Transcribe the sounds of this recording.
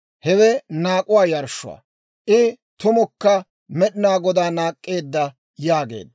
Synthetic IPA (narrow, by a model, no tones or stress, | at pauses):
hɛwɛnaːkʼʊwaːjɐɾʃːʊ̰wa̰ | ʔɪ | t̪ʊmɔkːɐ | mɛɗɪnaːɡɔd̪aːnaːkʼːe̞ːd̪ːɐ | jaːɡe̞̰ːd̪